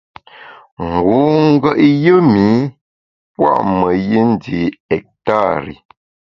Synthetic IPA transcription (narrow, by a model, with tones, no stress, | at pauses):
ŋ̩˨ɡu˨˦ŋ̩˦ɡə˦ʔjə˦mi˨˦ | pwa̰˦˨ʔmə˨ji˦n̩˦di˨ɛ˨k̚ta˦˨ɾḭ˨